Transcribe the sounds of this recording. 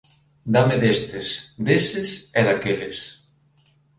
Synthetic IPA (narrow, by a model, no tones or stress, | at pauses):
d̪amɪðest̪ɪsd̪esɪsɛðakelɪs